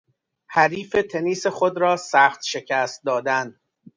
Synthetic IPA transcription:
hæɾiːfet̪ʰeniːseχod̪ɾɒːsæːxt̪ʃe̞cʰæːst̪̚d̪ɒːd̪æn

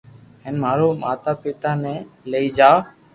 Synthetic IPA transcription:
ɦeːnmaːɾoːmaːt̪aːpɪt̪aːnɛ̃ːləiːd͡ʒaː

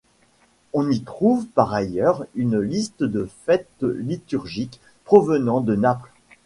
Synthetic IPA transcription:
ɔ̃nit̪χuvpaʁajœʁynlist̪əd̪əfɛt̪əlit̪yʁʒik | pχɔvənɑ̃d̪ənapl

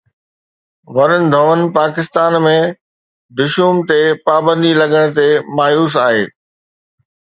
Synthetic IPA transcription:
ʋɐɾənɪ̆d̪ʱɐʋən̆paːkɪst̪aːnmẽ | ɖ̪ʊʃuːmt̪epaːbə̃nd̪ʱilɐɡəɽ̃t̪̬emaːjuːs̬aːɦḛː

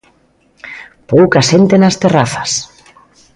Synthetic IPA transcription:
powkaʃent̪enast̪eraθḁs

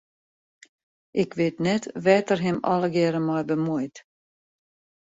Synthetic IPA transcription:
ʔɪkʋɪtnɛtʋɛːtərɦɪmɔ̰ləɡɪɾəmɔjbəmujt

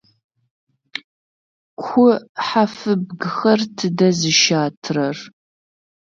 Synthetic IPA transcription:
kʷʰʊħafɨbɡɨxɐrtʰɨdɐzɨʃaːtʰrɐr

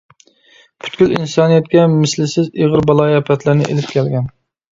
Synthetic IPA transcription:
pʰy̥t̪kʲylinsɑːnijɛt̪̚kʲɛmɪslɪsɪzeʁəɾbɑlˠɑːjɛpʰɛt̪ʰlɪɾnɪ̰ʔḛlɪp̚kʲʰɛlɡʲɛn

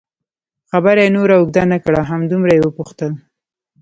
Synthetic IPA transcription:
xabaɾjenoɾaʊɡ̚d̪anakɽaɦamd̪umɾajewəpuxt̪əl

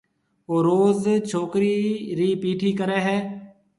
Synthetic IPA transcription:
oːɾoːzt͡ʃʰoːkɾiːɾiːpiːʈʰiːkəɾɛːɦɛː

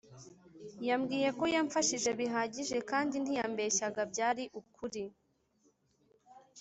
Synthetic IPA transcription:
jamɡiːje̞ko̞jaɱfaʃiʒe̞βiɦaːɟiʒe̞kaːndin̥ijambe̞çaɡabɟaːɾiʔukʰuɾi

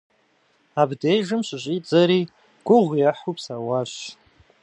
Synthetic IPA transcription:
abdejʐɨmʃʷaʒʷʼid͡zaɾi | ɡ̥ʷʊʁʷjaħupʰsawaʃʷ

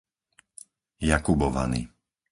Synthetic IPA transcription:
jakubɔʋa̰nḭ

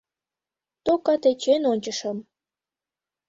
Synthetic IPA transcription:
t̪okɑt̪et͡ɕenonʲt͡ɕəʃəm

